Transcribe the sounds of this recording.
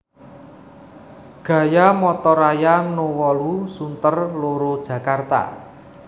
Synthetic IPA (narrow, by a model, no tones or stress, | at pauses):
ɡ̥ä̤jamɔt̪ɔɾajanowɔlusunt̪ərloɾod̥ʒ̥ä̤kart̪a̰